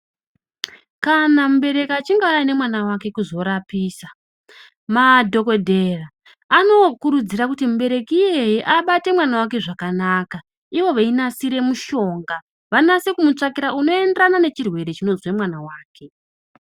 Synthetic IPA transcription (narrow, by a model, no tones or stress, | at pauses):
kanamuɓe̞ɾe̞kat͡ʃiŋɡaujane̞mwanawake̞kuzo̞ɾapiːsa | madʱo̞ko̞dʱe̞raː | no̞kuɾud͡ziɾakutimuɓe̞ɾe̞kijejiʔaɓate̞mwanawake̞ʐakanaːka | iʋo̞ʋainasiɾe̞muʃo̞ŋɡa | ʋanase̞kumut͡ʂakiɾauno̞e̞ndranane̞t͡ʃirwe̞ɾe̞t͡ʃino̞zwe̞mwanawaːke̞